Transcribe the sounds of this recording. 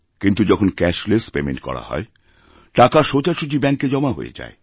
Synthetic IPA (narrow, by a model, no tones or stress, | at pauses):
kint̪ud͡ʑɔkʰonkɛʃlespemḛ̃nʈ̚kɔ̰ɽa̰hɔ̰e | ʈakaʃot͡ɕaɾʃud͡ʑibɛŋkːed͡ʑɔmaɦo̰ḛd͡ʑa̰e